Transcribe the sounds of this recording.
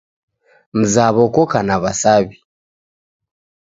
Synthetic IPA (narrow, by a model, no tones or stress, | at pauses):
m̩zaβɔkɔkanaβasaβi